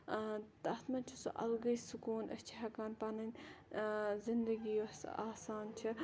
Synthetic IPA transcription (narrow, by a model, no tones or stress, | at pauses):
t̪ɐt̪mɐnt͡ʃʰisṵʔɐ̰lɡɐjsukuːnʔɐ̰st͡ʃʰiɦɐkaːnpɐnɐnʲ | zɪnd̪ɐɡijosaːsaːnt͡ʃʰi